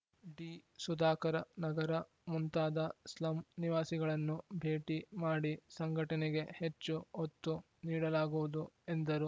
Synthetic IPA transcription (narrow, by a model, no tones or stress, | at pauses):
ɖiːsud̪aːkɐɾɐnɐɡɐɾɐ | munt̪aːd̪ɐslɐmniʋaːsiɡɐɭɐnːubʱe̞ːʈimaːɽisɐŋɡʱɐʈɐnɛɡe̞het͡ʃːuot̪ːu | niːɽɐlaːɡuʋud̪ue̞nd̪ɐɾu